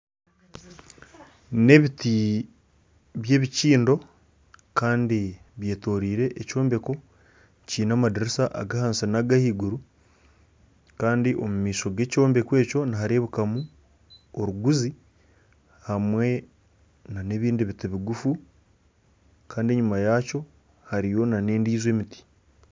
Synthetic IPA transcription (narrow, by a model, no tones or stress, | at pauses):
ne̞βiti | βje̞ːβiciːndo̞ | kaːndiβje̞ːto̞ːɾiːɾe̞ʔːco̞ːmbe̞ko̞ | ciːnaːmadiɾisaʔa̰ɡahansenaɡahiːɡuɾu | kaːndiʔo̞mumiːso̞ɡe̞ːco̞ːmbe̞kwe̞ːco̞naɦaɾeːβukamu | oɾuɡuzi | hamwe̞ | nane̞βiːndiβitiβiɡufu | kaːndieɲumajaco̞ | haɾijo̞nane̞ːndiːzwe̞ːmiti̥